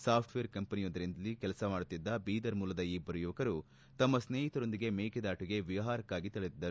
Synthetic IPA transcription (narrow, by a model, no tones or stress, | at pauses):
saːpʰʈʋeːɾkɐmpɐnijoːd̪ɐɾind̪ɐlikɛlɐsɐmaːɽut̪ːid̪ːɐbiːd̪ɐɾmuːlɐd̪ɐiːbʱɐɾɐjuʋɐkɐɾu | t̪ɐmːɐsneːɦit̪ɐɾo̞nd̪iɡe̞meːked̪aːʈuɡe̞ʋiʋɐɦaːɾɐkːaːɡit̪iɭed̪id̪ːɐɾu